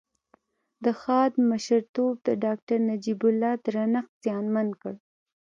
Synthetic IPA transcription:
d̪əxɑd̪məʃəɾt̪ob̚d̪əɖɑk̚ʈaɾnad͡ʒibʊlːɑd̪əɾanaqt̪z̥jɑnmankəɽ

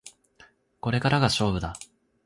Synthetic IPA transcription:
ko̞ɾe̞kaɾaɡaɕo̞ːbɯ̟d̪a

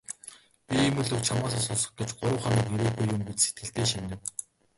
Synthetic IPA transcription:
pʲiemɵɮɵ̆kt͡ɕʰamaːsasʊsɞ̥̆χ̚ɡet͡ɕɢʊɾə̆wχamiːkeɾeːɣujːʊmpit͡ɕse̥t̪ɡɘ̆ɬt̪eːʃinʲɘ̆w

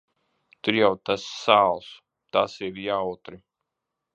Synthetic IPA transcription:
t̪uɾjawt̪asːaːlˠs | t̪asiɾjaːut̪ɾi

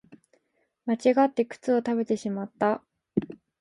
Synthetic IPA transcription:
mat͡ɕiɡat̪ːe̞kɯ̟̥t͡sɨo̞t̪abe̞t̪e̞ɕimat̪ːa

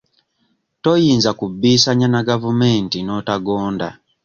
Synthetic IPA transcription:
tojiːnzakubːiːsaɲanaɡavumeːntino̞taɡoːnda̰

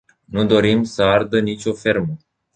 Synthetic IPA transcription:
nud̪o̞ɾimsəard̪ənit͡ʃʲo̞fe̞rmə

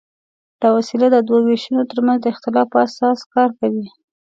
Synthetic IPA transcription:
d̪̥awasilad̪əd̪waweʃunot̪əɾmanzd̪əɪxt̪ɪlɑfpəasɑskɑɾkawi

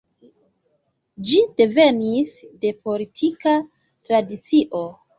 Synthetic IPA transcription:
d͡ʒid̥e̞ve̞nisde̞po̞litʰika | tɾadit͡siʔo̞

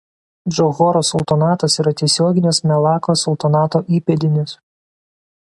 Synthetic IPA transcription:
d͡ʒɔɣɔɾoːsɔlˠt̪ɔnɑːt̪ɐsiːɾɐt̪ʲɛsʲoːɡʲɪnʲɪsmʲɛlˠɑːkoːsɔlˠt̪ɔnɑːt̪oːʔiːpʲɛd̪ʲɪnʲɪs

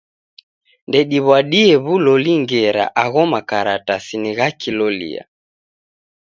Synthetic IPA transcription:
ndɛɗiβwaɗiɛβulɔliŋɡɛɾa̰ʔaɣɔmakaɾatasiniɣakilɔlḭa̰

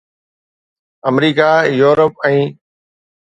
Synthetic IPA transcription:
əmɾiːkaːjuːɾəpɛ̃ː

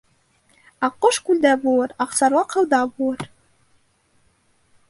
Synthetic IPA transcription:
ɑqːoʃkʉld̪æbulˠɤɾɑqsɑɾwɑqʰɤ̆lˠd̪ɑbulˠɤɾ

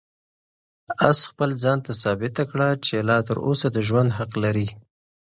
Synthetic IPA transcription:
asxpəld͡zɑnt̪asɑbɪt̪akɽat͡ʃelɑt̪əɾo̰sad̪əʒwand̪ɦaqlaɾi

